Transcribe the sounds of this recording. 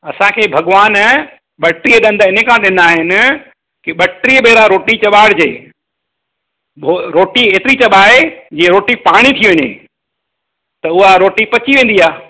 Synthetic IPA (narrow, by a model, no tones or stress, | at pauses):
ɐsãkʰeːbʱɐɠʋaːn | ɓɐʈɾiəɗɐ̃nd̪ɪnɦekʰãɗɪn̆d̪aːɦɪnɪ̆ | kɪɓɐʈɾiəɓeːɾaɾoːʈit͡ɕɐɓaːɽd͡ʑḛː | oɾoːʈieːt̪ɪɾit͡ɕɐɓaːed͡ʑiːẽɾoːʈipaːɽ̃it̪ʰiʋɐɲḛː | t̪ɐʊɦaɾoːʈipɐt͡ɕiʋẽːn̆d̪iaː